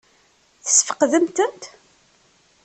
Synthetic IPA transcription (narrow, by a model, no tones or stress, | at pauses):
θə̥sfə̥qðəmt̪ənt̪